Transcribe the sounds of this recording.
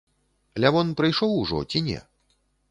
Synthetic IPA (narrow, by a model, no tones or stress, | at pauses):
lʲavɔnpɾɨjʂɔwuʐɔ̰t͡sʲinʲɛ̰